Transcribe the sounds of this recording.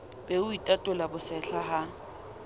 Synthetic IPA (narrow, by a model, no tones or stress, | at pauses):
beʊitʼatʼʊlabʊsɛɬʰaɦa